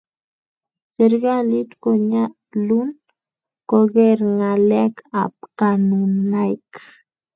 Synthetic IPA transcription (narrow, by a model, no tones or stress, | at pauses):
seɾɡalit̪koɲa | lun | koɣeɾŋaleka̰p̚kanunajk